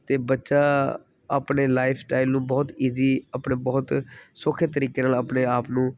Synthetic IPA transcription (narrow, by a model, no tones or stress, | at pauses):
t̪eːbətːʃaː | a̰ːpneːlaːɪpʰsʈaːɪlnũːbɔːt̪iːziːapɳeːbɔːt̪sʊkʰeːt̪əɾiːkeːnaːlaːpneːaːpnũː